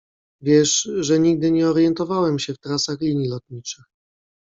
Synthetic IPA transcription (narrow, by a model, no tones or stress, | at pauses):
vʲjɛʂʐɛɲiɡ̚d̪ɘɲɛɔɾjɛnt̪ɔvawɛmɕɛft̪ɾasaxlʲiɲjilɔt̪ɲit͡ʂɘx